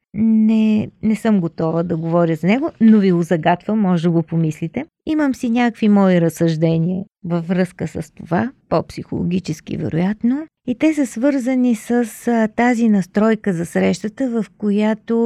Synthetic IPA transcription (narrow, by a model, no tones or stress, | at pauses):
nɛnɛsɤmɡot̪ɔvəd̪ɐɡovɔɾjəzɐnɛɡonoviɡozɐɡat̪vəmːɔʒd̪ɐɡopomislit̪ɛ | iməmsinʲakkvimɔiɾəsːɐʒd̪ɛniə | vɐvɾɤskəsəst̪ovapopsixo̰lˠo̰ɡ̟ʲit͡ʃɛskḭvɛ̰ɾo̰jat̪no | it̪ɛsəsvɤɾzənisəst̪azinɐst̪ɾɔjkəzɐsɾɛʃt̪ət̪əvɐfkojat̪o